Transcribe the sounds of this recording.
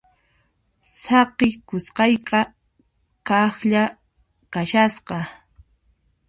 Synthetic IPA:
sɑqɪkʊsqɑjqɑ | kɑxʎa | kaʃasqɑ

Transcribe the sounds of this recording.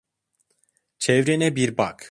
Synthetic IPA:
t͡ʃʰɛvɾɛnɛbiɾba̰k

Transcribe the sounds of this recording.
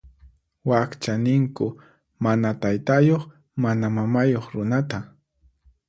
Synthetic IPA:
wakt͡ʃanɪŋkʊ | manat̪ajt̪ajoχ | manamamajoχɾʊnat̪a

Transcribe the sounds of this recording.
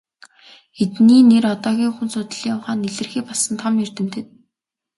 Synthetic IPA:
et̪niːnerɔt̪ɔːɣʲiːŋxunsʊt̪ə̆ɮiːɔwχaːnːeɮɘ̆rxiːpɔɮsə̆nt̪ʰɔmjɵr̥t̪ɘ̆mt̪ʰɘ̆n

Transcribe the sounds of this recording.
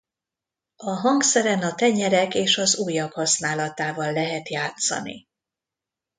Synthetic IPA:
ɒɦɒŋksɛɾɛnɒt̪ɛɲɛɾɛkeːʃɒzuːjːɒphɒsnaːlɒt̪aːvɒlːɛɦɛt̪jaːt̪sɒ̰nḭ

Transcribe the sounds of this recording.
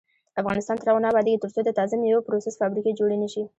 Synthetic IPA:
afɣɑnɪst̪ɑnt̪əɾawunɑbɑd̪eɡit̪ʊɾt̪od̪ət̪ɑzɪmjawopɾosɪsfɑbɾiked͡ʒoɽeniʃi

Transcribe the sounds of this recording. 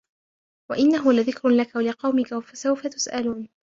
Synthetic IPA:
waʔɪnːaɦʊlaðɪkɾʊlakalɪqɑwmɪkafasawfat̪ʊ̥sʔaluːn

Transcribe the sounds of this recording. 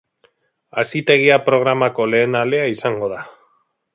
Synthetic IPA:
asit̪e̞ɣ̞iapɾo̞ɣ̞ɾamako̞le̞ːnale̞aisaŋɡo̞ð̞a

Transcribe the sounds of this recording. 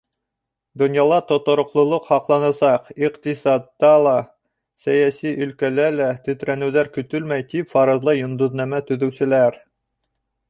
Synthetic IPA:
d̪ŏnjɑlˠɑt̪ŏt̪ŏɾŏqlˠŏlˠoqhɑqlˠɑnɑsɑqiqt̪isɑt̪ːɑlˠɑ | sæjæsiʔɵ̆lkælælæt̪ɵ̆t̪ɾænɘ̆wðæɾkɵ̆t̪ɵlmæjt̪ipfɑɾɤ̆zlˠɤjŏnd̪uðnæmæt̪ɵ̆ðɵ̆wsɘ̆læɾ

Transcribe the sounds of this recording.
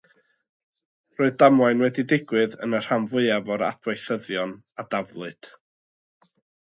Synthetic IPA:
roːɨðdamwajnwɛdidɪɡwɨðə̰nər̥hamvʊɨavɔɾa̰dʰwajθəðjɔn | adavlˠʊɨd̥

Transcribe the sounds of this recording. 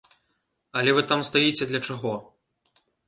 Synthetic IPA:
ɐlʲɛvɨt̪amst̪ajit͡sʲɛd̪lʲɐt͡ʂaɣɔ

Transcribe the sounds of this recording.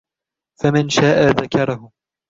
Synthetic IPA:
famɪnʃaːʔaðakɑɾˤɑhʊ

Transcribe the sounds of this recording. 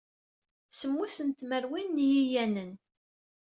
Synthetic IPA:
səmːusənt̪məɾwinːjijænən

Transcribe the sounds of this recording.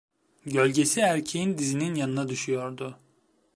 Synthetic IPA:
ɟø̞lʲɟe̞siæɾcʰejind̪izininjanɯnad̪yʃyjo̞ɾd̪ʊ

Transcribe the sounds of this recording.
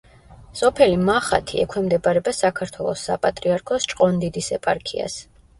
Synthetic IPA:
sɔpʰɛlimaχa̰t̪ʰiɛkʰɛmd̪ɛbaɾɛbasakʰaɾt̪ʰwɛlˠɔsːa̰pʼat̪ʼɾiaɾkʰɔst͡ʃʼqʼɔnd̪id̪isɛpʼaɾkʰḭa̰s

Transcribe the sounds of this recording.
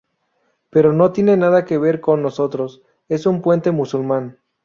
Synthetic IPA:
pe̞ɾo̞no̞t̪je̞nenaðake̞βe̞ɾko̞nːo̞so̞t̪ɾo̞s | e̞sumpwe̞nt̪e̞musulmãn

